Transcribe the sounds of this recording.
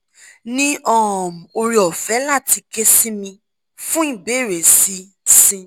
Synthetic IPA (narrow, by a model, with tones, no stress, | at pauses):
nĩ˦ʔɔ˦ɔ˨m̩˨o˧ɾi˧ɔ˨fɛ˨˦la˦˨ti˧ke˦si˦mĩ˧ | fũ˦i˦˨be˨˦˨ɾe˨si˦ | sĩ˦